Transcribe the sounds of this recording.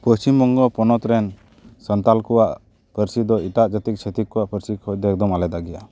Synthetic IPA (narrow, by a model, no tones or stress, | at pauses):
pəst͡ʃimbɔŋɡɔpɔnɔt̪ɾɛn | sənt̪alkɔwaʔ | pəɾsid̪ɔiʈaʔd͡ʒat̪ik̚t͡ʃʰet̪ikːɔaʔpəɾsikʰɔd̪ɛɛk̚d̪ɔmalɛd̪aɡɛja